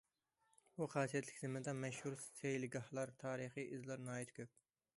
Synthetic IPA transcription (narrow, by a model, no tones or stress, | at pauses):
uχɑːsijɛt̪lɪkʲzemɪd̪ɛmɛʃhuɾssejlɪɡɑhlˠɑɾt̪ʰɑːɾɨχɨʔizlˠɑɾnɑːjit̪kʲʰøp̚